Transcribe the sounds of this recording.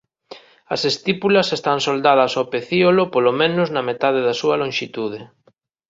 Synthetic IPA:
ɐsest̪ipulɐsest̪ansold̪að̞ɐsopeθiolopolomẽnʊznɐmet̪að̞eðɐsuɐlõŋʃit̪uð̞ɪ

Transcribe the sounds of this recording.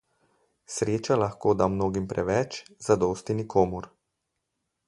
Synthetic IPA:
sɾeːt͡ʃalaxkoːd̪amnoːɡimpɾɛʋɛt͡ʃz̥ad̪ɔːst̪inikʰoːmuɾ

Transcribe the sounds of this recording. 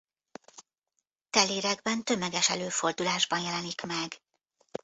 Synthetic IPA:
t̪ɛleːɾɛɡbɛnt̪ø̞mɛɡɛʃɛ̰løːfo̞rd̪ulaːʒbɒnjɛlɛnikmɛɡ

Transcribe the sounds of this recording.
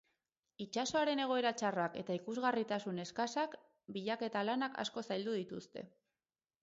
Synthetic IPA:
it͡ʃaso̞aɾe̞ne̞ɣ̞o̞e̞ɾat͡ʃarake̞t̪aikuzɣarit̪asune̞skasak | biʎake̞t̪alanaka̰sko̞sajld̪uðit̪ust̪e̞̰

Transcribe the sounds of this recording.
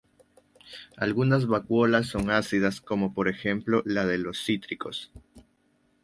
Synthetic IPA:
a̰lɣunazβakwo̞lasːo̞ŋasiðasko̞mo̞po̞ɾe̞xe̞mplo̞laðe̞lo̞sːit̪ɾiko̞s

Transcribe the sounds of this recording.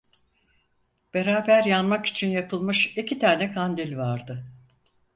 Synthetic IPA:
b̥e̞ɾaːbæɾjanmaki̥t͡ʃʰinjapʰɯlˠmɯʃicʰit̪ʰaːnɛkʰand̪ilʲvaɾd̪ɯ

